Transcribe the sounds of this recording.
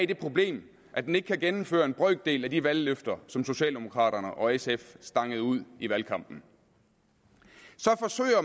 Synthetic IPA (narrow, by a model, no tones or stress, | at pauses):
d̥e̝pʰʁo̝b̥le̝̰ːm | ʔæd̥ene̝ɡ̥ə̥kʰæɡ̥enm̩fø̰ːɐe̝nb̥ʁœɡ̥̚d̥e̝̰ːlæd̥iʋælːøfd̥ɐsɒ̽mso̝ɕɛ̰ːld̥e̝mo̝kʰʁɑ̰̈ːɾ̥ɐnəʔɒ̽esefsd̥ɑ̈ŋ̰əð̩ˠuð̞̰ˠiʋælkʰɑ̈m̰b̥n̩ | sɒ̽fɒ̽sø̰ɪ̰ɐ